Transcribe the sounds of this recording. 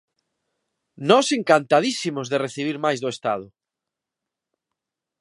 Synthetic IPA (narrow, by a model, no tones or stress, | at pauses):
nɔseŋkant̪að̞isimʊzðereθiβ̞iɾmajzðʊest̪a̰ðʊ